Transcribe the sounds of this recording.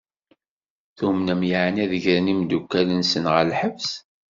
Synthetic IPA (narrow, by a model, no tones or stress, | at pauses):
θumnəmjaʕnæðəʝɾənimd̪ukːælənsənʁəlħəvs